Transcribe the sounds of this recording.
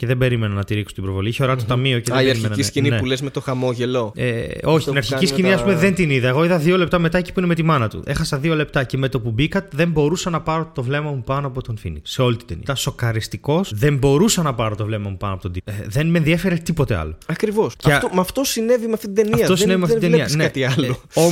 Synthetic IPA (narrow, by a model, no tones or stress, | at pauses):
ceðembe̞ɾimenɐnːɐt̪iɾikso̥t̪ibɾovo̞liiçeo̞ɾɐt̪ot̪ɐmio̞ceðeɾimenɐininepulezmet̪oxɐmoʝeloeo̞çit̪inɐɾçicisciniɐspumeðe̞nt̪iniðɐeɣo̞iðɐðio̞le̞p̚t̪ɐme̞t̪ɐeci̥puinemet̪imɐnɐt̪ṵʔe̞xɐsɐðio̞le̞p̚t̪ɐce̞me̞t̪o̞pubikɐt̪eðe̞mbo̞ɾusɐnɐpɐɾo̞t̪o̞vle̞mɐmupɐnoɐpot̪onfḭnḭse̞o̞lit̪i̥d̪enḭɐso̞kɐɾist̪iko̞sðe̞mbo̞ɾusɐnɐpɐɾot̪o̞vle̞mɐmupɐnoɐpot̪nd̪iðe̞nmenðiefeɾet̪ipo̞t̪e̞ɐ̰loɐkɾivo̞sceomɐft̪o̞sine̞vimeɐft̪it̪d̪enɐiɐt̪osinevimeɐfid̪iɐneɐt̪iɐloo